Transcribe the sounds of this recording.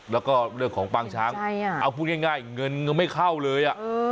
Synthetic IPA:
lɛː˦˥wkɔː˥˩ɾɯ˥˩əŋkʰɔː˩˦ŋpaː˧ŋt͡ɕʰaː˦˥ŋ˧jʔa˧wpʰuː˥˩t̚ŋaː˥˩ŋaː˥˩jŋɤ˧nŋɤ˧nma˥˩jkʰa˥˩wlɤː˧jʔa˨˩ʔ

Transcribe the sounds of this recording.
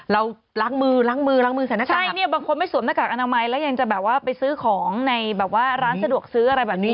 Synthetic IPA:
ɾa˧w | laː˦˥ŋmɯː˧ɾa˦˥ŋmɯː˧ɾa˦˥ŋmɯː˧a˨˩˦na˧t͡ɕʰaːa˥˩jni˥˩ɐbaː˧ŋkʰo˧nma˥˩jsuː˨˩˦mna˧˥kaː˨˩k̚ʔa˧naː˧ma˧jlɛː˦˥wja˧ŋt͡ɕa˨˩bɛː˨˩p̚waː˥˩pa˧jsɯː˦˥kʰɔː˩˦ŋna˧jbɛː˨˩p̚waː˥˩ɾaː˦˥nsa˧du˨˩ək̚sɯː˦˥ʔa˧ɾa˧jbɛː˨˩p̚ni˦˥

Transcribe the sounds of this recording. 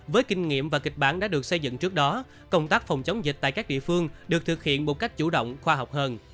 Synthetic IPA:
vəː˨˦jkï˧ŋ̟ŋḭ˧˨əmvaː˨˩ki˨˩k̟̚ɓaː˧˩nɗa̰ː˧˥ɗɨ˨˩ək̚sə˧jzɨ̰˧˨ŋt͡ɕɨ˦˥k̚ɗɔ˨˦ | kə˧wŋ͡mt̪aː˦˥k̚fɔ˨˩wŋ͡mt͡ɕə˨˦wŋ͡mzi˨˩t̟̚t̪a̰ː˧˨jkaː˦˥k̚ɗḭ˧˨əfɨ˧əŋɗɨ˨˩ək̚t̪ʰɨ˨˩k̚hḭ˧˨ənmo˨˩t̚ka˦˥k̟̚t͡ɕu˧˩ɗo̰˧˨wŋ͡mxwaː˧ɦa˨˩wk͡p̚həː˧n

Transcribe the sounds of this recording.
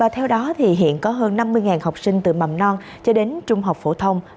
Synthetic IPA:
vaː˨˩t̪ʰɛ˧wɗɔ˨˦t̪ʰi˨˩ɦḭ˧˨ənkɔ˨˦ɦəː˧nːa˧mːɨ˧əjŋaː˨˩nha˨˩wk͡p̚sï˧ŋ̟t̪ɨ̰˧˨ma˨˩mnɔ˧n | t͡ɕɔ˧ɗe˨˦nt͡ɕʊ˧ŋ͡mɦa˨˩wk͡p̚fo̰˧˩t̪ʰə˧wŋ͡m

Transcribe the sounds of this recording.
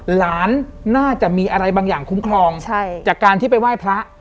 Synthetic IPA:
laː˩˦nːaː˥˩t͡ɕa˨˩ʔmiː˧ʔa˧ɾa˧jbaː˧ŋjaː˨˩ŋkʰu˦˥mkʰlɔː˧ŋt͡ɕʰa˥˩jt͡ɕaː˨˩kːaː˧nt̪ʰiː˥˩pa˧jwaː˥˩jpʰɾa˦˥ʔ

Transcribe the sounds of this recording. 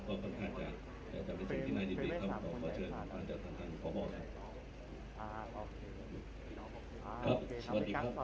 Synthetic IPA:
ɔː˧˩kʰo˧˦nkʰaː˥˩tt͡ɕa˨˩ | t̪ɛː˨˩t̪ɛː˨˩pe˧nsi˨˩ŋt̪ʰiː˥˧naː˧˩diː˨˧˩iː˦˧a˧˥˩mkʰɔː˨˧˩kʰɔː˧˦t͡ɕʰɤː˧nk̪ɔː˨˩˦kʰaː˧˥˩nt͡ɕa˨˩t̪ʰːa˧˩kʰa˧˩˨kʰɔː˩˦bɔː˨˩k̚kʰa˦˥˩p̚ | kʰɾa˦˥p̚sə˧wa˨˩t̚diː˧kɾa˦˥p̚

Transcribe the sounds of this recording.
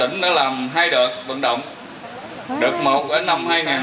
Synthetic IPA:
ï˧˥ŋ̟ɗa̰˨˦laː˨˩mɦaː˧jɗəː˨˩t̚ɓə̰˧˨nɗə̰˧˨wŋ͡m | ɗə˨˩k̚mo˨˩t̚ɓəː˨˦nːa˧mhaː˧jŋaː˨˩

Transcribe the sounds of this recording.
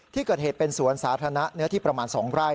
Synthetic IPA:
t̪ʰiː˥˩kɤː˨˩t̪̚heː˨˩t̪̚pe˧nsu˨˩˦ənsaː˩˦t̪ʰa˧na˦˥nɯ˦˥ɐt̪ʰiː˥˩pɾa˧maː˧nsɔː˩˦ŋɾaː˥˩

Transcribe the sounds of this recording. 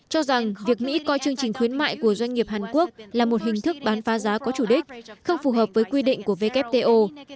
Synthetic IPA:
t͡ɕɔ˧za˨˩ŋvi˨˩ək̚mḭ˧˥kɔ˧jt͡ɕɨ˧əŋt͡ɕï˨˩ŋ̟xwi˨˦ənma̰ː˧˨jku˧˩əzwa˧jŋ̟ŋi˨˩əp̚haː˨˩nku˦˥ək̚laː˨˩mo˨˩t̚hŋ̟t̪ɨ˦˥k̚ɓaː˨˦nfaː˨˦zaː˨˦kɔ˨˦t͡ɕu˧˩ɗï˦˥k̟̚xə˧wŋ͡mfu˨˩ɦəː˨˩p̚vəː˨˦jkwi˧ɗḭ̈˧˨ŋ̟ku˧˩əve˧kɛ˦˥p̚t̪e˧ʔo˧

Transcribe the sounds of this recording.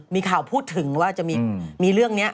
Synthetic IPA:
miː˧kʰaː˨˩wpʰuː˥˩t̪ʰːɯ˨˩˦ŋwaː˥˩t͡ɕa˨˩ʔmiː˧miː˧ɾɯ˥˩əŋni˦˥ɐ

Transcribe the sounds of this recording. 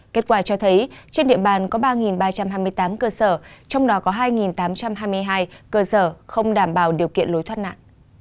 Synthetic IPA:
ke˦˥t̚kwaː˧˩t͡ɕɔ˧t̪ʰə˨˦jt͡ɕe˧nɗḭ˧˨ə˨ɓaː˨˩nkɔ˨˦ɓaː˧ŋi˨˩nɓaː˧t͡ɕa˧mhɦaː˧jmɨ˧əjt̪aː˨˦mkəː˧səː˧˩t͡ɕɔ˧wŋ͡mɗɔ˨˦kɔ˨˦ɦaː˧jŋi˨˩nt̪aː˨˦mt͡ɕa˧mɦaː˧jm˧əjɦaː˧jkəː˧səː˧˩xə˧wŋ͡mɗaː˧˩mɓaː˨˧˩wɗi˨˩əwkḭ˧˨ənlo˨˦jt̪ʰwaː˧t̚na̰ː˧˨nʔ

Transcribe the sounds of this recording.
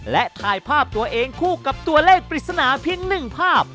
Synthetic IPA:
lɛ˦˥ʔt̪ʰaː˧jpʰaː˥˩p̚t̪u˧ɐʔeː˧ŋkʰuː˥˩ka˨˩p̚t̪u˧ɐleː˥˩k̚pɾi˨˩t̪̚sa˧naː˩˦pʰi˧əŋnɯ˨˩ŋpʰaː˥˩p̚

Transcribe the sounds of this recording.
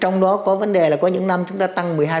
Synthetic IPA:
t͡ɕɔ˧wŋ͡mɗɔ˨˦kɔ˨˦və˨˦nɗe˨˩laː˨˩kɔ˨˦ɲɨ̰˧˥ŋna˧mt͡ɕʊ˨˦ŋ͡mt̪aː˧t̪a˧ŋmɨ˨˩əjɦaː˧

